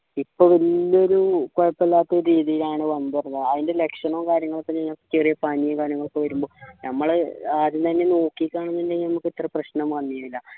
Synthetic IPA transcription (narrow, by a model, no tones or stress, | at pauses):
ipːoːʋilːoɾukoɻɐpːɐlːaːt̪ːɐɾiːðijilaːɳɨʋɐnd̪irɐnːɐðɐðinde̞le̞kʂɐnoːkaːɾjɐŋːɐɭok̪ːet͡ɕejlkːɐt͡ɕerijɐpaːnijɐkaːɾjɐŋːɐɭokːɨʋɐɾumbo̞ːnɐmːɐɭaðɨnt̪ɐnːe̞no̞ːkːikʲːaːɳɐnːindenɐmukːit̪ːrɐprɐɕnɐmkɐnːijɐilːɐ